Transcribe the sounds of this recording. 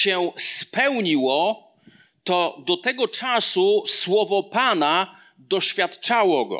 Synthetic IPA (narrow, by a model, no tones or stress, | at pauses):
ɕɛspɛwɲiwɔ | t̪ɔd̪ɔt̪ɛɡɔt͡ʂasuswɔvɔpana | d̪ɔɕfʲjat̪t͡ʂawɔɡɔ̰